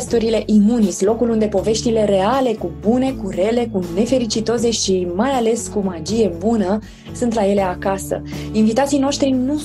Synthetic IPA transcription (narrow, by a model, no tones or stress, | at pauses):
st̪uɾile̞ʔimunisʲlo̞kulund̪e̞po̞ve̞ʃt̪ile̞ɾe̞ale̞kubune̞kuɾe̞le̞kune̞fe̞ɾit͡ʃit̪o̞ze̞ʃimajale̞skumad͡ʒije̞bunə | sunt̪laje̞le̞akasə̰invit̪at̪sijno̞ʃt̪ɾinu